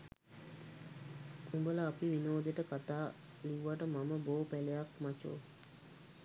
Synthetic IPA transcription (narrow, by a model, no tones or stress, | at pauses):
umbələapiʋinoːd̪eʈəkat̪aː | liʋuʋaʈəmaməboːpælejakmat͡ʃo̰ː